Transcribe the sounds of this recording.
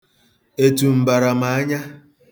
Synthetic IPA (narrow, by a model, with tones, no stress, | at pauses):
e˨tu˨m̩˨ba˨ɾa˨ma˨a˦ɲa˦